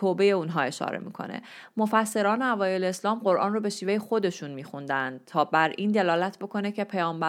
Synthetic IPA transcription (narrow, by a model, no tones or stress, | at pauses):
oːbe̞jeunɦɒːe̞ʃɒ̰ːɾḛmḭːkʰo̞̰nḛmo̞fæsːe̞ɾɒːneævɒːje̞leːslɒːmɢo̞ɾʔɒ̰ːnrobe̞ʃiːve̞jexo̞d̪e̞ʃunmiːxund̪ænd̪̚t̪ʰɒːbæɾʔiːnd̪e̞lɒːlæt̪ʰbo̞kʰo̞necʰe̞pʰejɒːmbæ